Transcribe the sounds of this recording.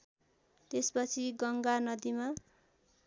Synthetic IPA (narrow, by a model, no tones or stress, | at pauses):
t̪espʌt͡sʰiɡʌŋɡanʌd̪ima